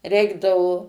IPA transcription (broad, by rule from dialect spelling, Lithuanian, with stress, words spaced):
ˈrʲɛɪɡdɐʋoː